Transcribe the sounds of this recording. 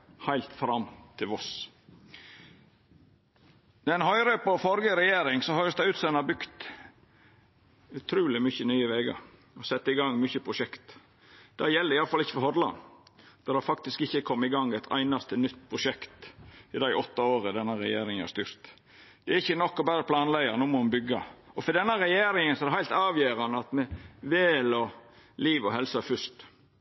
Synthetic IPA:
hæɪlt̪fɾɑmt̪ʰɪlʋɔs | d̪ɛnhɔʏɾœːpɔfɔɾɡəɾɛjeːɾɪŋsɔhøːɾəsd̪æɪʉːt̪sɛnɑbʏkt̪ | ʉt̪ʰɾuːlɪmʏçənyːəʋeːɡɑ̰ɾ | ɔsɛt̪ːəɪɡɑŋmʏçəpʰɾʊʃɛkt̪ | d̪̥æjɛlːəɾɪjɑlfɑlɪçːə̥fɔɾhɔd̪lɑ̰nd̪̥ɛd̪æfɑkt̪ɪskɪçːəkʰɔmːəɪɡɑŋːɛɪt̪ʰæ̰ɪnɑst̪ənʏt̪ːpʰɾʊʃɛkt̪ɪd̪æɪʔɔt̪ːɑoːɾəd̪ɛnːəɾɛ̰jeːɾɪŋənhɑ̰ɾst̪yːɾt̪ | d̪̥ɛæɾɪçːənɔkːɔbæɾəpʰlɑːnlæɡəɾnuːmɔɑnbʏɡːɑɔfɔd̪ɛnːəɾɛjeːɾɪŋənsɔɛdɛhæɪlt̪ɑːʋjeːɾɑnəɑt̪mɛʋɛːlɔ | liːʋɔɦɛlsɑfʏst̪

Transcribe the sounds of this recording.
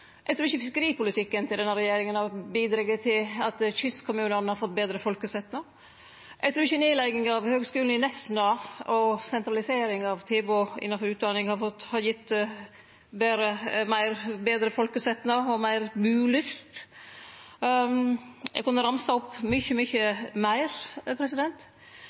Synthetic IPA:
ʔɛɡt̪ʰɾʉːɪçəfɪskəɾiːpʰʊlɪt̪ʰɪkːənt̪ʰɪld̪ɛnːəɾɛjeːɾɪŋənɑbiːd̪ɾɑɡət̪ʰɪlɑt̪çʏskʰːʊmʉːnəɾnhɑɾfɔt̪̚ːbeːd̪ɾəfɔlkəsɛt̪nɑ | ʔɛɡt̪ɾʉːɪçəneːlæɪɡɪŋɑʋhøːɡskʉːln̩ɪnɛsnɑɔsɛnt̪ɾɑlɪseːɾɪŋɑʋt̪ʰeːboʔɪ̰nːɑnfɔɾʉːt̪̚d̪ɑːnɪŋhɑfɔhɑɾjɪt̪ː | beːɾəmæɪɾbeːd̪ɾəfɔlkəsɛt̪nɑɔmæɪɾbʉːlʏst̪ | ɛ̰ɡkʊnːəɾɑmsɑɔpːmʏçəmʏçəmæɪɾpʰɾɛsɪd̪ɛnt̪

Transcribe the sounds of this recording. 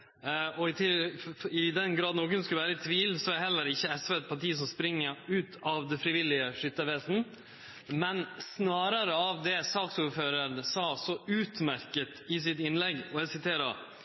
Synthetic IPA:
ɔɪt̪ʰɪɪd̪ɛnɡɾɑːd̪noːkʉnskʉləʋæːɾət̪ʰʋiːlsɔæhɛlːəɾɪçːəɛsʋeːɛt̪̚pʰɑʈiːəs̬ɔmspɾɪŋːəɾʉːt̪ʰɑʋd̪ɛnfɾɪʋɪlɪəʂʏt̪ːəʋeːsn̩ | mɛnsnɑːɾəɾəɑʋd̪ɛsɑːksuːɾføːɾənsɑːsɔʉːt̪mæɾkət̪ɪsɪt̪ɪnlɛɡɔɛsɪt̪ʰeːɾɑ̰

